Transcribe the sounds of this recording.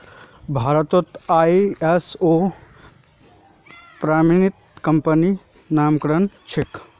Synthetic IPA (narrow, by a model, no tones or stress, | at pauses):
bʱaːɾət̪ot̪aːiesoː | pɾaːminit̪kɐmpəni | naːmkɾənt͡ʃʰik